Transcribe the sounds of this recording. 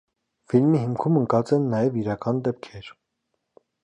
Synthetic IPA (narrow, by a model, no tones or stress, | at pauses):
filmihimkʰuməŋkɑt͡sɛnːɑjɛviɾɑkɑnd̪ɛp̚kʰɛɾ